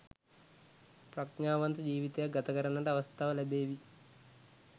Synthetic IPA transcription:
pɾɐknaːʋɐnt̪ɐd͡ʒiːʋit̪eɡɐt̪ɐɡɐɾɐnɐɳɖɐʋɐst̪ʰaʋɐlɐbeːʋi

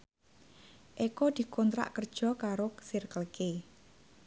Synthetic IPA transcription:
ʔekod̪̥i̤kɔnt̪ɾa̰ʔkərd̥ʒ̥ɔ̤kaɾosirkəlke

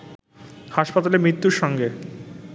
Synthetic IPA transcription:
haʃpat̪alemɾit̪ːuɾʃɔŋɡe

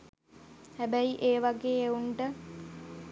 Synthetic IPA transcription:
hæbæiʔeːʋaɡeːeuɳɖə

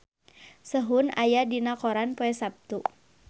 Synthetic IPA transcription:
səɦuna̰jadinakɔɾanpoɛsap̚t̪u

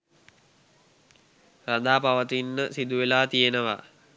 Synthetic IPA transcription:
rad̪aːpaʋət̪inːəsid̪uʋelaːt̪ijenəʋa̰

